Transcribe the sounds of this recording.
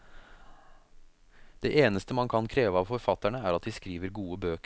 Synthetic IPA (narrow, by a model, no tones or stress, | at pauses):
d̪̥eːʔeːnəst̪əmɑnkʰɑnkʰɾeːʋəɑːʋfɔɾfɑt̪æɳəæːɾɑt̪d̪iskɾiːʋəɾɡuːəbøːkə